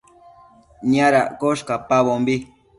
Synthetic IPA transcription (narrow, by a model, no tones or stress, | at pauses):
ɲaɾakoʃkapaβombi